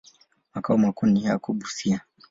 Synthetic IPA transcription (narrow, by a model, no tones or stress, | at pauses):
makaumakuniɦaakuɓusia